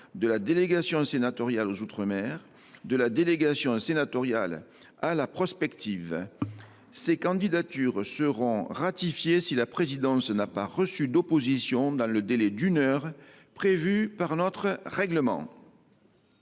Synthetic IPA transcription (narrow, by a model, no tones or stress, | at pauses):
d̪əlad̪eleɡasjɔ̃senat̪ɔʁjalozut̪χəmɛʁ | d̪əlad̪eleɡasjɔ̃senat̪ɔʁja̰l | alapχɔspɛkt̪iv | sekɑ̃d̪id̪at̪yʁsəʁɔ̃ʁat̪ifjesilapχezid̪ɑ̃snapaʁəsyd̪opozisjɔ̃d̪ɑ̃ləd̪elɛd̪ynœʁ | pχevypaʁnɔt̪χəʁɛɡləmɑ̰̃